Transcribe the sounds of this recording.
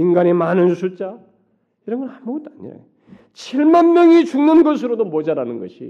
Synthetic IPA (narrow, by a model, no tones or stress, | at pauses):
inɡanemanɯnsʰut͡ɕ͈a | iɾʌnɡʌɭhamboɡʌt͈aɲo̰jo | t͡ɕʰiɭmanmjʌŋit͡ɕuŋnɯnɡʌsʰɯɾodomod͡ʑaɾanɯnɡʌɕʰḭ